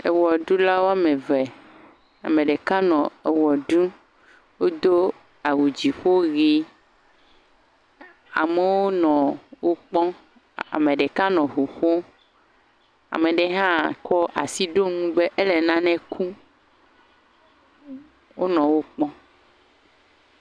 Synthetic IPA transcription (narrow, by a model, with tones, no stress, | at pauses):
e˨wɔ˨ɖu˦la˦wo˦a˨mẽ˨vɛ˨ | a̰˨mẽ˨ɖe˨ka˦nɔ̃˨e˨wɔ˨ɖu˦ | wo˦d̪o˦ | a˨wu˨d͡ʑi˨ɸo˦ɣi˦ | a̰˨me˨wo˦nɔ̃˨wo˦k͡pɔ̃˦ | a̰˨mẽ˨ɖe˨ka˦nɔ̃˨ɦu˨ɸo˦ | a̰˨mẽ˨ɖe˨ɦã˦˨kɔ˦ʔa̰˨si˦ɖo˦nũ˦be˦ʔe˦lɛ˨nã˦nɛ̃˨kʰu˦ | wo˦nɔ̃˨wo˦k͡pɔ̃˦